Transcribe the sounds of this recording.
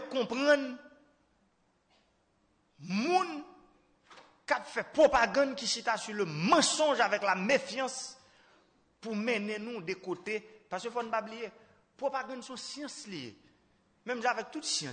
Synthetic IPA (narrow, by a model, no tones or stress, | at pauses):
kɔ̃pʁɐ̃n | mũn | kapfɛpʁopaɡɐ̃dkisit̪asyləmɑ̃sɔ̃ʒavɛklamefjɑ̃s | pumɛnɛ̃nũdekotepaʁskøfɔnũpablije | pʁopaɡãdsɔ̃sjɑ̃slijḛ | mɛ̃mʒãavɛk̚t̪ut̪sjɑ̃